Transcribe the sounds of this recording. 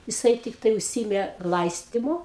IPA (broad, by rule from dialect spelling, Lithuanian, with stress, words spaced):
jɪˈsɐɪ tʲɪkˈtɐɪ ʊʃʲˈsʲiːɪmʲeː ˈlˠɐɪsʲtʲiːmʊ